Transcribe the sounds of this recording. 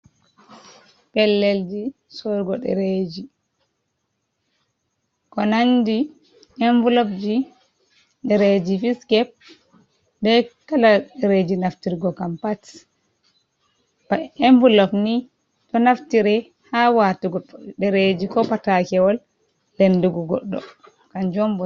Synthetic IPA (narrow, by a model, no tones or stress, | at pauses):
pɛlːɛld͡ʒi | sɔɾɡɔɗɛ̰ɾed͡ʒi | kɔnandi | ɛɱvulɔpd͡ʒi | ɗɛɾed͡ʒifiskɛp̚ | bɛkalaɗɛɾed͡ʒinaftiɾɡɔkampat | baɛɱvulɔfni | tɔnaftiɾɛ | hawatuɡɔɗɛɾed͡ʒikɔpatakɛwɔl | lɛnduɡɔɡɔ̰ɗːɔ̰ | kand͡ʒɔmbɔ